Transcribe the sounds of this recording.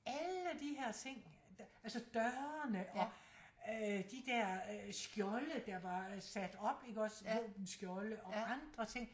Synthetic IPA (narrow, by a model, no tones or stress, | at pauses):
æləd̥iɦæɐ̰t͡sʰe̝ŋ̰̥ælsəd̥ɶɐnəʔɒ̽ | d̥id̥æɐ̰sɡ̥jɒləd̥ɑ̈ʋɑ̈sæd̥ɒ̽b̥e̝ɡ̥ɒ̽sʋɔ̰ːb̥n̩sɡ̥jɔləʔɒ̽ɑ̈nd̥ʁɐt͡sʰe̝ŋ̰